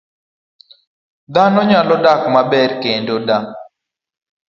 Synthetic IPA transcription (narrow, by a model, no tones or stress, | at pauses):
d̪anɔɲalɔdakmabɛrkendoda